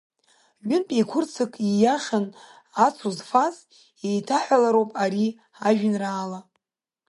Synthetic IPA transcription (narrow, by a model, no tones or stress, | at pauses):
ʒʊnpʼejkʷʰʊrt͡sʰɨkʼijaχʲan | at͡sʰuzfaz | ejtʰaħʷalaɾowpʼaɾi | aʒᶣɪnraːla